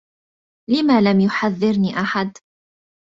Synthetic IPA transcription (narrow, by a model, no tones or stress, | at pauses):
lɪmaːlamjʊħaðːɪɾniːʔaħad̪